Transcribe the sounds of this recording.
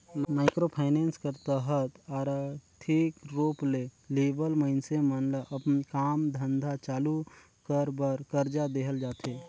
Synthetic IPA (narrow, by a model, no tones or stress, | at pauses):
maːɪkɾopʰaɪneːnskəɾt̪əɦət̪aːɾʈ̪ʰikɾoːpleleːbəlməɪnsemənlʔəpnkaːmd̪ʱə̃nd̪ʱat͡ʃaːlu | kəɾbəɾkəɾd͡ʒad̪eːɦəld͡ʒaːt̪ʰe